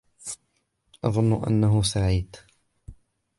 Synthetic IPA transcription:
ʔɑðˤʊnːʊʔa̰nːaɦʊsaʕiːd̪

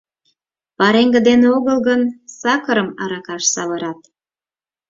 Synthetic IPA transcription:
pɑɾeŋɡə̆d̪eneoɣəlɣənsɑkəɾəmɑɾɑkɑʃsɑβɤɾɑt̪̚

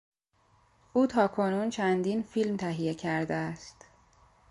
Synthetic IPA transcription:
ʔuːt̪ʰɒːkʰo̞nuːnt͡ʃʰænd̪infilmt̪ʰæɦije̞cʰæɾd̪eæst̪

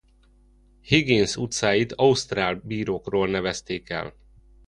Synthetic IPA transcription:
heɡinsut̪saːjit̪ɒust̪raːlbiːɾoːkroːlnɛvɛst̪eːkɛ̰l

